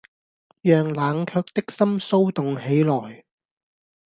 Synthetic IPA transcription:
jœː˨ŋlaː˨˥ŋkʰœː˧k̚t̪ɪ˥k̚sɐ˥mso˥wt̪ʊ˨ŋhe˨˥jlɔː˨˩j

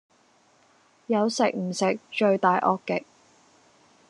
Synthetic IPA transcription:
jɐ˨˧wsɪ˨k̚m̩˨˩sɪ˨k̚t͡ʃɵ˧ɥt̪aː˨jʔɔː˧kːɪ˨k̚

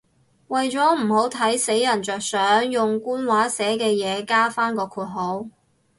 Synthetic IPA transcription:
wɐ˨jt͡sɔː˨˥m̩˨˩ho˨˥wt̪ʰɐ˨˥jse˨˥jːɐ˨˩nt͡ʃœː˨k̚sœː˨˥ŋjʊ˨ŋkuː˥nwaː˨˥sɛː˨˥kɛː˧jɛː˨˧kaː˥faː˥nkɔː˧kʰuː˧t̚ɦo˨˥w

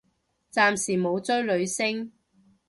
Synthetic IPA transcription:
t͡saː˨˧msiː˨˩mo˨˧wt͡sɵ˥ɥlɵ˨˧ɥsɪ˥ŋ

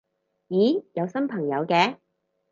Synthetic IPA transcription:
jiː˨˥jɐ˨˧wsɐ˥npʰɐ˨˩ŋjɐ˨˧wkɛː˧

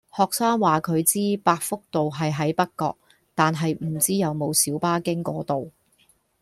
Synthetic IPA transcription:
hɔː˨k̚saː˥ŋwaː˨kʰɵ˨˧ɥt͡siː˥paː˧k̚fʊ˥k̚t̪o˨wɦɐ˨jɦɐ˨˥jpɐ˥t̚kɔ̰ː˧k̚ | t̪aː˨nɦɐ˨jm̩˨˩t͡siː˥jɐ˨˧wmo˨˧wsiː˨˥wpaː˥kɪ˥ŋkɔː˨˥t̪o˨w

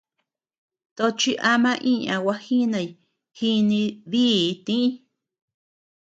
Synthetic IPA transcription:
t̪o˧t͡ʃi˧˦ʔa˧mã˧ʔĩ˦ã̰˨wa˧hi˦nã˧˨i˧˨ | hi˦nĩ˧ði˦˨˧t̪ĩ˦ĩ˦

